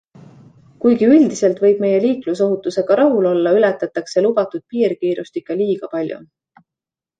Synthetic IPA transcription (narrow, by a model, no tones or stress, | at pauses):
kujɡ̥iyld̪̥ise̞lt̪vɤ̞jb̥̚me̞je̞liːkluso̞ɦut̪ːˑuse̞ɡ̥ɑɾɑɦulo̞lːɑylɛt̪ːˑɑt̪ːˑɑkse̞lub̥ɑt̪ud̪̥̚piːrkiːɾust̪ikːˑɑliːɡ̥ɑpɑlʲjṵ